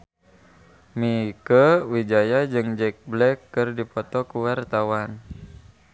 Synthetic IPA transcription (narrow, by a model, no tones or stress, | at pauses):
mikəwid͡ʒajad͡ʒɨŋd͡ʒɛk̚blɛkːɨrdipɔt̪ɔkuwart̪awan